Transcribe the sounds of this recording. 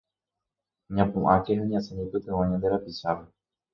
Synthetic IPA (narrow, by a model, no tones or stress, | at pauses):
ɲãpũʔãkeɦãɲãseɲĩpɨt̪ẽwãɲãnd̪eɾapisaʋe